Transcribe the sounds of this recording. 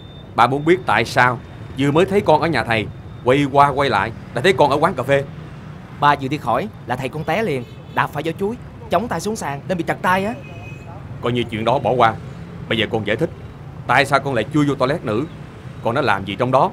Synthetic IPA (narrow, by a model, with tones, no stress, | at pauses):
ɓaː˧mu˨˦ənɓi˦˥ət̚t̪a̰ː˧˨jsaː˧w | zɨ˧əməː˨˦jt̪ʰə˨˦jkɔ˧nʔəː˧˩ɲaː˨˩t̪ʰə˨˩j | kwa˧jkwaː˧kwa˧jla̰ː˧˨jɗaː˧˥t̪ʰə˨˦jkɔ˧nʔəː˧˩kwaː˨˦ŋkaː˨˩fe˧ | ɓaː˨˩zɨ˨˩t̪i˧əxɔ˧˩jlaː˨˩t̪ʰə˨˩jkɔ˧nt̪ɛ˨˦li˨˩ən | ɗaː˨˩faː˧˩jzɔ˧˩t͡ɕu˨˦j | t͡ɕə˨˦wŋ͡mt̪aː˧jsu˨˦əŋsaː˧˩ŋɗe˧nɓḭ˧˨t͡ɕə˨˩t̚t̪aː˧jʔaː˨˦ | kɔ˧jɲɨ˧t͡ɕwḭ˧ənɗɔ˨˦ɓɔ˧˩˦kwaː˧ɓə˧jzəː˨˩kɔ˧nza̰ː˧˩jt̪ʰï˦˥k̟̚ | t̪a̰ː˧˨jsaː˧wkɔ˧nla̰ː˧˨jt͡ɕu˧əzɔ˧t̪ɔ˧lɛ˦˥t̚nɨ̰˧˥ | kɔ˧nːɔ˨˦laː˨˩mzi˨˩t͡ɕɔ˧wŋ͡mɗɔ˨˦